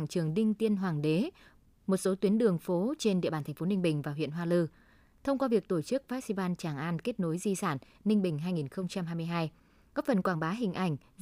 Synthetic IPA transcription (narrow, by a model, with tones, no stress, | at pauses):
ŋt͡ɕɨ˨˩əŋɗï˧ŋ̟t̪i˧ənɦwaː˨˩ŋɗe˨˦ | mo˨˩t̚so˨˦t̪wi˨˦ənɗɨ˨˩əŋfo˨˦t͡ɕe˧nɗḭ˧˨ɓaː˧˩nt̪ʰfo˨˦nï˧ŋ̟ɓï˨˩ŋ̟vaː˨˩w̰ənɦwaː˧lɨ˧ | t̪ʰə˧wŋ͡mkwaː˧vi˨˩ək̚t̪o˧˩t͡ɕɨ˦˥k̚va˦˥k̚si˧vaː˧nt͡ɕaː˧˩ŋʔaː˧nke˦˥t̚no˨˦jzi˧saː˧˩n | nï˧ŋ̟ɓï˨˩ŋ̟ɦaː˧jŋi˨˩nxə˧wŋ͡mt͡ɕa˧mɦaː˧jmɨ˧əjɦaː˧j | kɔ˦˥p̚fə˨˩nkwaː˧˩ŋɓaː˨˦ɦï˨˩ŋ̟ʔa˧˩jŋ̟